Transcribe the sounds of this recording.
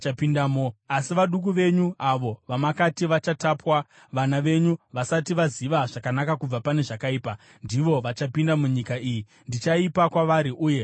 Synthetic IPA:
t͡ʃapindamoasiʋaɗuk̬uʋe̞ɲuaʋo̞ʋamakatiʋat͡ʃatapwa | ʋanaʋe̞ɲuʋasatiʋaziʋaʐakanakakub͡vapane̞ʐakaiːpa | ndiʋo̞ʋat͡ʃapindamuɲikaiji | ndit͡ʃaipakwaʋaɾiʔuːje̞

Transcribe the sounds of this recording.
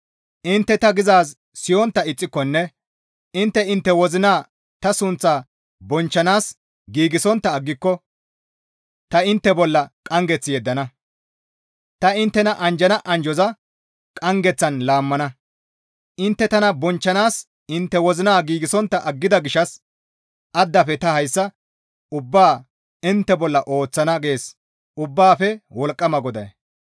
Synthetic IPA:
ʔɪnt̪ːɛt̪ɐɡɪzaːs | sɪjɔnt̪ːɐɪt͡sʼːɪkːɔnːɛ | ɪnt̪ːɛɪnt̪ːɛwɔzɪnaː | t̪ɐsʊnt͡sːaː | bɔnt͡ʃːɐnaːs | ɡiːɡɪsɔnt̪ːɐːɡːɪkːɔ | t̪ɐɪnt̪ːɛbɔlːɐkʼɐŋɡɛt͡sːɪjɛd̪ːɐnɐ | t̪ɐɪnt̪ːɛnɐʔɐnd͡ʒɐnɐʔɐnd͡ʒɔzɐ | kʼɐŋɡɛt͡sːɐnlaːmːɐnɐ | ʔɪnt̪ːɛt̪ɐnɐbɔnt͡ʃːɐnaːs | ɪnt̪ːɛwɔzɪnaːɡiːɡɪsɔnt̪ːɐʔɐɡːɪd̪ɐɡɪʃɐs | ʔɐd̪ːɐfɛt̪ɐhɐjsːɐ | ʊbːaː | ɪnt̪ːɛbɔlːɐʔo̞ːt͡sːɐnɐɡe̞ːs | ʊbːaːfɛwɔlkʼːɐmɐɡɔd̪ɐj

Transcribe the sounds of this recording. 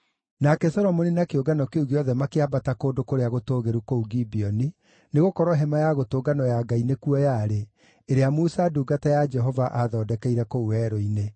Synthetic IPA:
nakɛsɔɾɔmoninakeoɡanɔkeuɣeɔðɛmakeabatakoːndokoɾeaɣotoːɣeɾukouɡibiɔni | neɣokɔɾɔɦɛmajaɣotoːɡanɔjaɡainekuɔjaɾe | eɾeamusaduːɡatɛjad͡ʒɛɦɔvaʔaðɔːdɛkɛiɾɛkouɛɾoine

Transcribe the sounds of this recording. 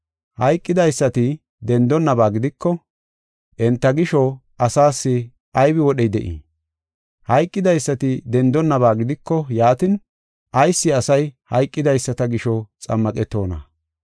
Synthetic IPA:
hɐjkʼːɪd̪ɐjsːɐt̪ɪ | d̪ɛnd̪ɔnːɐbaːɡɪd̪ɪkːɔ | ʔɛnt̪ːɐɡɪʃɔ | ɐsaːsːɪ | ʔɐjbɪwɔɗɛjd̪ɛʔḭ | hɐjkʼːɪd̪ɐjsːɐt̪ɪd̪ɛnd̪ɔnːɐβaːɡɪd̪ɪkːɔjaːt̪ɪn | ʔɐjsːɪɐsɐjhɐjkʼːɪd̪ɐjsːɐt̪ɐɡɪʃɔt͡sʼɐ̰mːɐkʼɛt̪ːo̞ːnɐ̰

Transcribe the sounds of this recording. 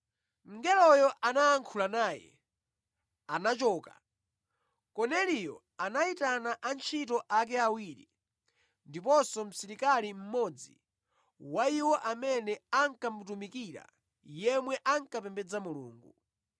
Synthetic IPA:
ŋɡɛlɔjɔʔanaːŋkʰulanaːjɛ̰ | anat͡ʃɔːka | kɔnɛlijɔ̰ | anaitanaʔant͡ʃʰit̬ɔʔak̬ɛawiːɾḭ | ndip̬ɔsɔm̩siɾikalim̩mɔd͡zḭ | waiwɔʔamɛnɛaŋkam̩tumikiɾa̰ | jɛmwɛʔaŋkapɛmbɛd͡zamulṵːŋɡu

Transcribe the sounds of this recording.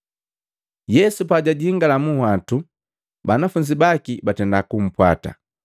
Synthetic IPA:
jɛsupaɟaɟiiŋɡalamuhwatu | banafuɲd͡ʒibakibatɛndakum̩pwa̰ta̰

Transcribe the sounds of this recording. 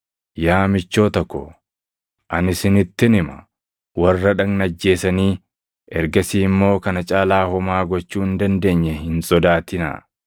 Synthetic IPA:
jaːmɪt͡ʃːo̞ːt̪ɔkːɔ̰ | ʔɐnɪsɪnɪt̪ːɪnɪmɐ̰ | wɐrːɐᶑɐŋnɐd͡ʒːe̞ːsɐniː | ʔɛɾɡɐsiːmːo̞ːkɐnɐt͡ʃʼaːlaːhɔmaːɡɔt͡ʃːuːhɪnd̪ɐnd̪e̞ːɲːɛhɪnsʼɔd̪aːt̪ɪna̰

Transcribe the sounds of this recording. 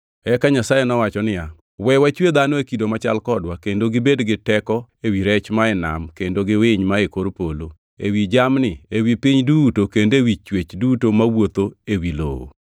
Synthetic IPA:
ɛkaɲasajenɔwat͡ʃɔnɪja | wɛwat͡ʃwed̪anɔekidomat͡ʃa̰lkɔdwakendoɡɪbedɡɪtɛkɔewiɾɛt͡ʃmaɛna̰mkendoɡɪwɪɲmaekoɾpolo | ḛwid͡ʒamnɪewipiɲdutokendewit͡ʃwet͡ʃdutomawot̪oewilo̰wo̰

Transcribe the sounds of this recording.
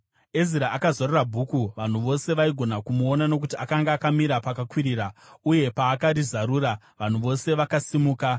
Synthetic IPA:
e̞ziɾaʔːkazorerabʱuːkuʋan̤uʋo̞se̞ʋaiɡʱo̞nakumuo̞nano̞k̬utiakaŋɡaːkamiɾapakakwiɾiːrauje̞paːkaɾizaɾuːɾa | ʋan̤uʋo̞se̞ʋakasimuːka

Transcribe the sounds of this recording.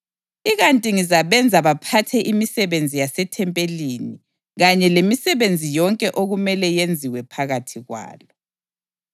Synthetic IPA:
iɣantʼiŋizaβɛnd͡zʱaβapʰatʰɛʔimisɛβend͡zʱijasɛtʰɛmpʼelini | ɣaɲɛlemisɛβend͡zʱijɔŋkʼɛʔoɣumɛlɛjend͡zʱiwɛpʰaɣatʰiɣwa̰ːlɔ

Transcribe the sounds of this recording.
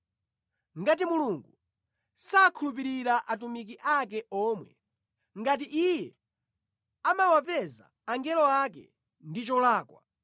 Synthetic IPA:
ŋɡat̬imuluŋɡu | saːkʰulup̬iɾiɾaʔatumikiʔakɛɔːmwɛ | ŋɡat̬iʔijɛ | amawapɛza̰ːŋɡɛlɔakɛ̰ | ndit͡ʃɔlaːkwa̰

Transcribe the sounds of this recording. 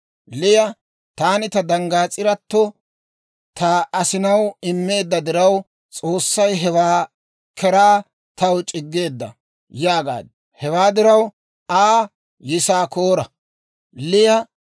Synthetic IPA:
lɪjɐ | t̪aːnɪt̪ɐd̪ɐŋɡaːt͡sʼɪɾɐt̪ːɔ | t̪ʰɐɐsɪnɐwɪmːe̞ːd̪ːɐd̪ɪɾɐw | t͡sʼo̞ːsːɐjɦɛwaː | kʰɛɾaː | t̪ɐwt͡ʃʼɪɡːe̞ːd̪ːɐ̰ | jaːɡa̰ːd̪ | hɛwaːd̪ɪɾɐw | aː | jɪsaːko̞ːɾɐ | lɪjɐ

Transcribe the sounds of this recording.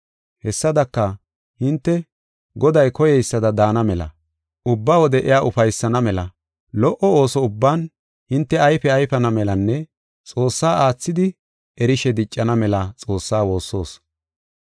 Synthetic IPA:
hɛsːɐd̪ɐkːɐ | hɪnt̪ːɛ | ɡɔd̪ɐjkɔjɛjsːɐd̪ɐd̪aːnɐmɛlɐ̰ | ʊbːawɔd̪ɛʔɛjaːʊfɐjsːɐnɐmɛlɐ̰ | lɔʔɔoːsɔʊbːaːn | hɪnt̪ːɛɐjfɛɐjfɐnɐmɛlɐnːɛ | t͡sʼo̞ːsːaːʔaːt͡sːɪd̪ɪ | ɛɾɪʃɛd̪ɪt͡ʃʼːɐnɐmɛlɐt͡sʼo̞ːsːaːwo̞ːsːo̞ːs

